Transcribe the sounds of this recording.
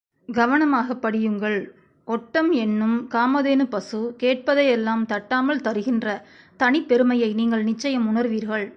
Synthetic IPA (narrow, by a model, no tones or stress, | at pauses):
ɡɐʋɐnɐmaːɣɐpːɐɽɪjɯŋɡɐɭ | ɔʈːɐmɛnːɯmkaːmɐðeːnɯpɐsɯkeːʈ̚pɐðɐɪɛlːaːmt̪ɐʈːaːmɐɭt̪ɐɾɯɣɪndrɐ | t̪ɐɳɪpːɛɾɯmɐjɐɪniːŋɡɐɭnɪt͡ʃːɐjɐmʊɳɐɾʋiːɾɣɐɭ